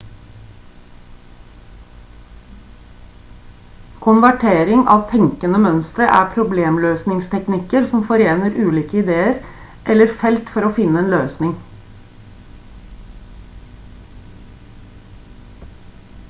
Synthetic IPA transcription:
kʰʊnʋæʈʰeːɾɪŋʔɑ̰ːʋt̪ʰɛŋkənəmœnst̪ɾəʔæ̰ːpʰɾʊbleːmløːsnɪŋst̪ʰɛknɪkəɾsɔmfɔɾeːnəɾʔʉːliːkəɪd̪eːəɾ | ʔɛləɾfɛlt̪fɔɾoːfɪnəeːnløːsnɪŋ

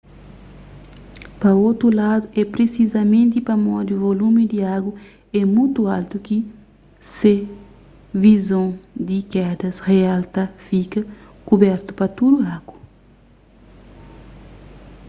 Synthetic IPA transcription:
pɐot̪ɾulad̪uʔɛpɾesizɐmẽnt̪ipɐmɔd̪uvolumid̪iaɡu | ɛmujt̪ualt̪uki | se | vizõd̪ikɛd̪ɐsrealt̪afikɐ | kubɛɾt̪u̥pɐt̪ud̪uaɡ̥u

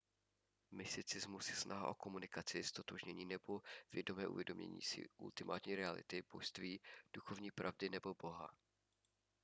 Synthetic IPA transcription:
mɪst̪ɪt͡sɪzmusjɛsnʔaɦa̰ʔo̞ko̞munɪkat͡sɪst̪ot̪oʒɲɛɲiːnɛbo̞v̥jɛdo̞mɛːʔṵvjɛdo̞mɲɛ̰ɲḭːsɪ̰ʔṵlt̪ɪmʔa̰ːt̪ɲiːɾɛalɪ̰t̪ɪb̥oʃst̪viːd̥uxo̞vɲiːpɾʔavdɪnɛbo̞bo̞ɦa̰

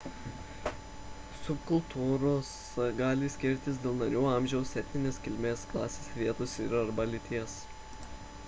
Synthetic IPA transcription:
sʊpkʊlˠˑt̪ʰuːɾoːs | ɡɑːlʲɪsʲkʲɪɾʲt̪ʲɪs̬d̪ʲeːlˠnɐɾʲuːɑˑmʲʒʲɛʊsʲɛt̪ʲnʲɪnʲeːskʲɪlʲmʲeːsklˠɑːsʲeːsʲʋʲiɛt̪oːsʲɪɾɐɾbɐlʲɪt̪ʲiɛs

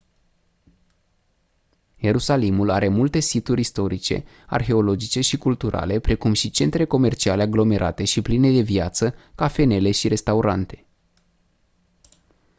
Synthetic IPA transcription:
je̞ɾusalimulaɾe̞mult̪e̞sit̪uɾʲist̪o̞ɾit͡ʃe̞̰ | a̰rxe̞o̞lo̞d͡ʒit͡ʃe̞ʃikult̪uɾa̰le̞pɾe̞kumʃit͡ʃe̞nt̪ɾe̞ko̞me̞rt͡ʃiale̞aɡlo̞me̞ɾʔa̰t̪e̞ʃipline̞d̪e̞vjat̪səkafe̞ne̞le̞ʃiɾe̞st̪auɾant̪e̞̥

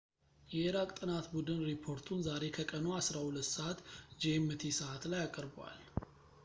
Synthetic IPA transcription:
jɛeɾakʼt̪ʼɨnat̪bud̪ɨnɾipʰo̞ɾt̪ʰunzaɾe̞kʰəkʼənoasɾahulət̪ːsəʔat̪d͡ʒemːɨt̪ʰisɨʔat̪lajakʼəɾbwa̰l

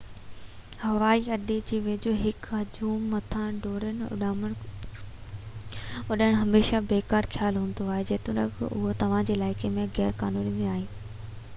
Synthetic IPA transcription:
hɐʋaːiɐɗed͡ʑiːʋed͡ʑoɦɪkɦɐd͡ʑuːmːɐt̪ʰãɖʱoːɽənɪʊ̰ɗməɽ̃ | ʊɗəɽ̃ɦɐmeːʃabeːkaːɾkʰjaːlɦũːn̆d̪oaːɦed͡ʑeːt̪ʊnɐkʔʊ̰ɦot̪ɐʋ̤ãd͡ʑeːlaːɪkemẽɣɛːɾkaːnuːnimẽaːɦeː

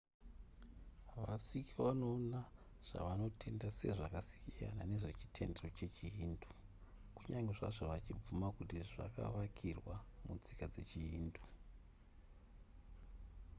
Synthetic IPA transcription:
ʋasikʰiʋano̞na | ʐ̥a̰ʋano̞tʰe̞ndase̞̰ʐakasi̥kija̰nane̞ʐe̞t͡ʃi̥tʰe̞̰ndero̞t͡ʃe̞t͡ʃijindo | kuɲaŋɡe̞ʐa̰ʐoʋat͡ʃib͡vumakutiʐa̰ka̰ʋakʰirwamud͡zikad͡ze̞t͡ʃijiːndo

